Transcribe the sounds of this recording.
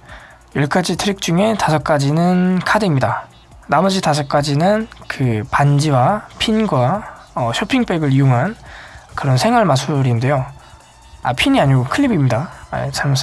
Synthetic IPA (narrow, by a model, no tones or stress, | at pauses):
jʌɭk͈ʰad͡ʑitʰɯɾik̚t͡ɕ͈uŋe̞tasʰʌk͈̚ad͡ʑinɯnkʰadɯimɲida | namʌd͡ʑitas̬ʰʌk͈ad͡ʑinɯnkɯpand͡ʑiwapʰinɡwaʌɕʰopʰiŋp͈ʰe̞ɡɯɾioŋɦankɯɾʌnsʰe̞ŋɦwaɭmasʰuɾinde̞jo | a̰pʰiɲiaɲiɡokʰɯɭːibimɲida̰t͡ɕamʌs͈